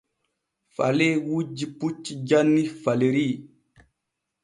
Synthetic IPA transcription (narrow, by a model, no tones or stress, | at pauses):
falewud͡ʒiput͡ʃːid͡ʒanːifaleɾi